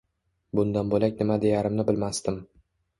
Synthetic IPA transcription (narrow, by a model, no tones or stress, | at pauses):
bʊnd̪anbolakʲnɪmad̪ejaɾɪmnɪbɪlmast̪ɪm